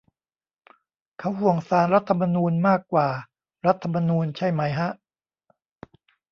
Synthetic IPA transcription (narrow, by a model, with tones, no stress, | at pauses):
kʰa˦˥wɦu˨˩əŋsaː˩˦nɾa˦˥t̪ʰːa˧ma˧nuː˧nmaː˥˩kːwaː˨˩ | ɾa˦˥t̪ʰːa˧ma˧nuː˧nt͡ɕʰa˥˩jma˦˥jɦa˦˥ʔ